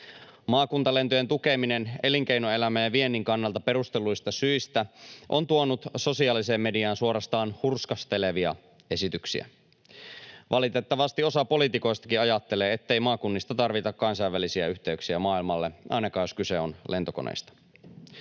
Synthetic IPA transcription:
mɑːkunt̪ɑle̞nt̪ojent̪ukeminene̞liŋk̟einoe̞læmæjæʋie̞nːiŋkɑnːɑlt̪ɑpe̞ɾust̪e̞lujst̪ɑsyist̪æʔo̞̰nt̪uonut̪so̞siɑːlise̞ːmːe̞diɑːnsuo̞ɾɑst̪ɑːnhurskɑst̪e̞leʋiɑ̰ | e̞sit̪yksḭæ̰ | ʋʔɑlit̪e̞t̪ːɑʋɑst̪io̞sɑpo̞lit̪iko̞jst̪ɑ̥kiɑjɑt̪ːe̞leːet̪ːeijmɑːkunːist̪ɑt̪ɑrʋit̪ɑkkɑnsɑjʋːælisiæyht̪e̞yksiæmɑːilmɑlːeʔɑ̰jnɑkɑːjoskyse̞o̞nle̞nt̪o̞konḛjst̪ɑ̥

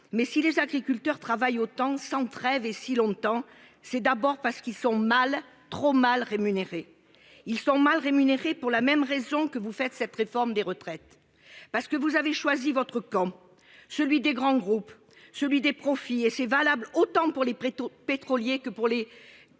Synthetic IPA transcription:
mɛsilezaɡʁikʲylt̪œʁt̪χavajot̪ɑ̃sɑ̃t̪χɛvesilɔ̃t̪ɑ̃ | sɛd̪abɔʁpaʁsə̥kilsɔ̃mal | t̪χomalʁemyneʁe | ilsɔ̃malʁemyneʁepuʁlamɛmʁezɔ̃kəvufɛt̪sɛt̪ʁefɔʁmd̪eʁət̪χɛt̪ | paʁsə̥kəvuzaveʃwazivɔt̪χəkɑ̃ | səlɥid̪eɡʁɑ̃ɡʁup | səlɥid̪epχɔfiesɛvalablot̪ɑ̃puʁlepet̪χɔljekəpuʁle

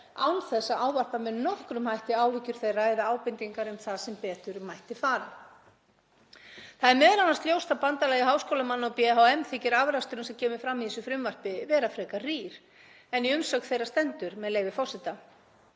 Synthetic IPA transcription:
a̰wnθɛsːaʔaːwvar̥pamɛðnɔhkɾʏmhajht̪ɪaːwvɪcːʏɾ̥θejraːjðaaːwpɪnt̪iŋkaɾʏmθaðsɛmpɛːt̪ʏɾmajht̪ɪfaːɾɪ | θaðɛɾmɛːðlanast̪ljowst̪apant̪alɛːɣɪɦawskoːwlamanːaawpiɛɦowɛmθɪcɪɾavɾast̪ʏɾʏnsɛmcʰɛːmɪfɾamːiðisʏfɾɪmvar̥pɪvɛːɾafɾɛːkariːɾ̥ | ɛniʏmsɔkθejɾast̪ɛnt̪ʏɾmɛðleːjvɪfɔr̥sɪt̪a

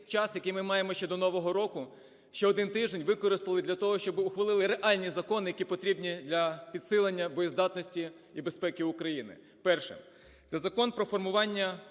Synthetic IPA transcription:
t͡ʃɑsjɐkɪjmɪmɑjemɔʃt͡ʃɛd̪ɔnɔʋɔɦɔɾɔkʊ | ʃt͡ʃɛɔd̪ɪnt̪ɪʒd̪enʲʋɪkɔɾɪst̪ɐlˠɪd̪ʲlʲɐt̪ɔɦɔʃt͡ʃɔbɪʊxʋɐlˠɪlˠɪɾeʔɑlʲnʲizɐkɔnɪjɐkʲipɔt̪ɾʲibnʲid̪lʲɐpʲid̪sɪlˠenʲːɐbɔjizd̪ɑt̪nɔsʲtʲi | ibespɛkɪʊkɾɐjinɪ̰ | pɛrʃɪ̰ | t̪sɛzɐkɔnpɾɔfɔrmʊʋɑnʲːɐ

